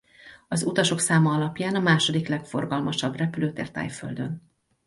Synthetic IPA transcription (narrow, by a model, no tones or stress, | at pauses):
ɒzut̪ɒʃo̞ksaːmɒɒlɒpjaːnɒmaːʃo̞d̪iklɛkfo̞̰rɡɒlmɒʃɒbrɛpyløːt̪ḛːrt̪a̰ːjfø̰ld̪ø̞n